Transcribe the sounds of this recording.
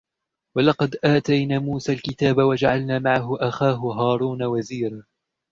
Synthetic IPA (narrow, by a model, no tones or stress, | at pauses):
wɑlɑqɑd̪ʔaːt̪ajnaːmuːsaːlkɪt̪aːbawad͡ʒaʕalnaːmaʕaɦʊʔaxaːɦʊɦɑːɾˤuːnawaziːɾa